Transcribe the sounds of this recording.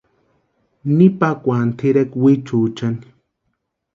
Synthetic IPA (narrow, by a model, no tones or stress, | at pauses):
nipakʷant̪ʰiɾekwit͡ʃuːt͡ʃani̥